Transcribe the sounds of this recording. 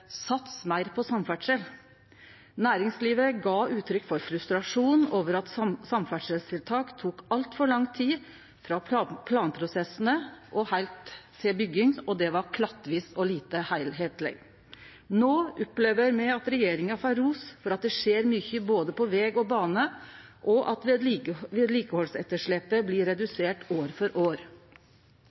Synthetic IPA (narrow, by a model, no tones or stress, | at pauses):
sɑt̪smæɪɾpʰɔsɑmfæʈʂɛl | næːɾɪŋsliːʋəɾəɡɑːʔʉːt̪ʰɾʏkːfɔɾfɾʉst̪ɾɑʂuːnn̩oːʋəɾɑt̪sɑmfæʈʂɛlst̪ʰɪlt̪ʰɑːkt̪ʰuːkɑlt̪fɔɭɑŋt̪ʰiː | fɾɑpʰpʰlɑːnpʰɾʊsɛsnəʔɔhæɪlt̪seːbʏɡɪŋɔd̪ɛʋɑɾkʰlɑt̪ːʋiːsɔliːt̪əhæɪlɦeːt̪lɛ̰ɡ | noːʔʊpleːʋəɾmɛɑt̪ɾɛjeːɾɪŋɑfɑɾuːsfɔɾɑt̪̚d̪ɛʂeːɾmʏçəboːd̪əpʰɔʋɛːɡɔbɑːnə | ʔɔʔɑt̪ʋɛd̪ʋeːd̪liːkəhɔlsɛt̪ːəʂɭɛpːəblɪɾɛd̪ʉseːʈoːɾfɔɾʔoːɾ